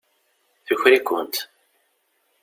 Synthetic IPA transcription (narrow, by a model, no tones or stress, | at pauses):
θəçɾikʷːʊ̰nt̪